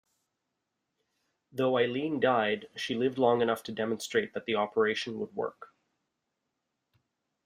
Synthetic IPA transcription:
ðoʊaɪlĩndaɪd̥ʃilɪvdˡlɔ̃ŋɨnʌftʰɨdɛmɨ̃n̩stɹ̥eɪt̪̚ðɨt̪̚ðiɑpʰə˞eɪʃɨ̃n̩wə̰d̚wɜ̰˞k

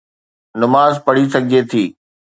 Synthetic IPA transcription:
nʊmaːzpɐɽisɐɡʱiet̪ʰiː

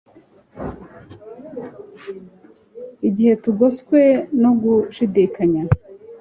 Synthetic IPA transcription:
iɟihe̞tuɡoskweno̞ɡuʃidikaɲa

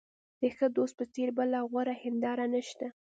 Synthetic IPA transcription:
d̪̥əxəd̪ost̪̚pət͡seɾbəlaɣwaɾahɪnd̪ɑɾanəʃt̪a

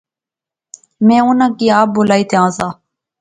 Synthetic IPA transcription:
mɛ̃ːʊnãːkiːaːp̚boːlaːiːt̪ʰeãːzaː

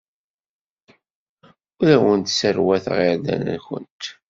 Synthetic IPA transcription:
ʊɾæwənt̪səɾwæθʁeðæ̰næ̰nçə̰nt̪

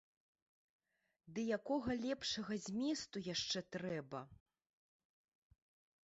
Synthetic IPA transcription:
d̪ɨjakɔɣɐlʲɛpʂɐɣɐzʲmʲɛst̪ujaʂt͡ʂɛt̪ɾɛbɐ

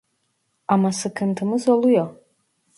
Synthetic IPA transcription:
amasɨkʰɨntʰɨmɨzaluja

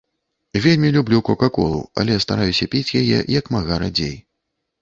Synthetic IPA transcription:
vʲelʲmʲilʲublʲukɔkakɔlˠṵɐ̰lʲɛst̪aɾajusʲɐpʲit͡sʲjajɛ̰jɐkmaɣaɾad͡zʲej

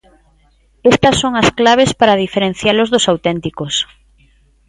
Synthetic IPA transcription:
est̪asːoŋasklaβ̞espaɾað̞ifeɾẽn̟θjalozðosawt̪ent̪ikos

